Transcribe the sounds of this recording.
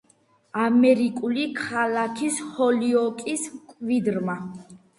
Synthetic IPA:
amɛɾikʼulikʰalakʰishɔliɔkʼiskʼvid̪ɾma

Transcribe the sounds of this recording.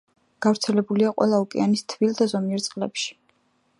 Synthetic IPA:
ɡ̥avɾt̪sʰɛlɛbuliaqʼwɛ̰lˠaukʼɛ̰anist̪ʰvilˠd̪azɔmiɛɾt̪sʼqʼlɛ̰pʃi̥

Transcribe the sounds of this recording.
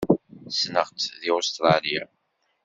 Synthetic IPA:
snəʁt͡sðiost̪ɾˤɑli

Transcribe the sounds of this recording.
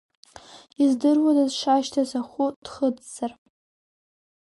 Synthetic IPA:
izdɨrwadazʂaʃtʰazaχʷud̥χəd͡zz̥ar

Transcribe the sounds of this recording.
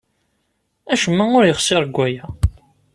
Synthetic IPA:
æʃəmːæʊɾjəχsɪɾɡʷːæjæ

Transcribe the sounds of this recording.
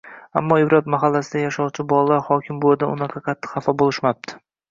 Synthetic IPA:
a̰mːɒɪbɾat̪maɦalːasɪd̪ajaʃɒwt͡ʃʰɪbɒlˠalaɾhɒkʲʰɪmboad̪aʊnaqʰɑqʰɑt̪ʰːɪ̥hɑfɒbolˠɪʃmap̚t̪ʰɪ̥

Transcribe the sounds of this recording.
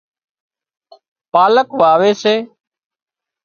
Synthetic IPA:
paːləkʋaːʋeːseː

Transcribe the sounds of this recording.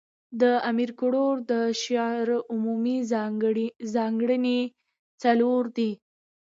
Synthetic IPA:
d̪əamiɾkʊɽoɾd̪əʃɑɾʊmumi | zɑŋɡɽəne | t͡saloɾd̪i

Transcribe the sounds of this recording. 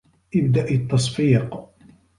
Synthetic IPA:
ʔɪbd̪aʔɪt̪ːɑsˤfiːq

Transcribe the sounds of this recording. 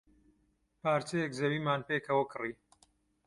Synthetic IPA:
paːɾt͡ʃɐjɛkzɐwiːmaːnpeːkʰɐwɐkɨriː

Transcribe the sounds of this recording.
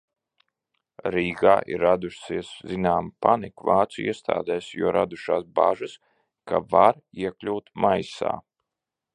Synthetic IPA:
ɾiːɡaːʔḭɾːad̪uʃsiɛszinaːmpanikvaːt̪suḭɛst̪ʰa̰ːd̪ɛːsjuɔɾad̪uʃaːsba̰ʒɨs | kavaɾiɛklʲuːt̪majsa̰ː

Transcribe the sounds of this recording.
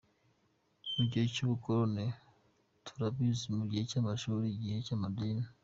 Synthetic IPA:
nuɟecuβukoɾone | tʰu̥ɾabizimuɟihe̞caːmaʃuːɾiɟihe̞caːmadiːni

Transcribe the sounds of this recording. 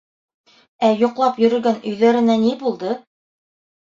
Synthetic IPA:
æjŏqlˠɑpjɵ̆ɾɵ̆lɡænɵ̆jðæɾɘ̆nænibulˠd̪ɤ

